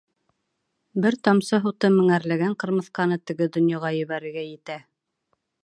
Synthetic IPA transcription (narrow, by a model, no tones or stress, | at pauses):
bɘɾt̪ɑmsɤɦut̪ɤmɘ̆ŋæɾlæɡæɴqɤ̆ɾmɤ̆θqɑnɤt̪ɘ̆ɡɘd̪ŏnjɑʁɑjɵ̆βæɾɘ̆ɡæjɘ̆t̪æ